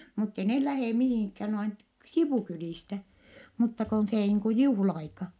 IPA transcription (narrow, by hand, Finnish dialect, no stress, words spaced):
mutːe neh læheˑ mihiˑŋkhæːn noin t siʋuˑkyliˑstæ mutːɑ kon seː niːŋ ku juhlɑɑikɑ